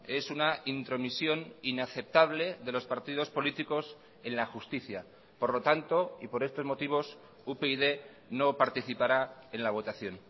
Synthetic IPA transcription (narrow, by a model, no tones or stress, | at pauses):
e̞sunaint̪ɾo̞misjo̞ninaθe̞p̚t̪aβle̞ðe̞lo̞spaɾt̪iðo̞spo̞lit̪iko̞s | e̞nlaxust̪iθja | po̞ɾlo̞t̪ant̪o̞ḭpo̞ɾe̞st̪o̞zmo̞t̪iβ̞o̞s | upeiðe̞ | no̞paɾt̪iθipaɾae̞nlaβ̞o̞t̪aθjo̞n